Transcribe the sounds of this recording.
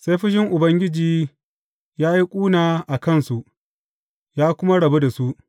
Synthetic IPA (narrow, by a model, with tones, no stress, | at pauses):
sa˦jɸɪ˦ʃ̬ɪ˦ŋʔʊ˨bɐ˦ŋɡʲɪ˦d͡ʒiː˨ | jaː˦ji˦kʷʼuː˦naː˨ʔa˨kɐ˦˨nsu˨ʔ | jaː˦kʷʊ˦ma˦ɽɐ˨be˦da˨su˦ʔ